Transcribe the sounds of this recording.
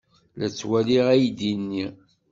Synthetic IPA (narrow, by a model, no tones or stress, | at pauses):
læt͡sːwæliʁæjd̪inːi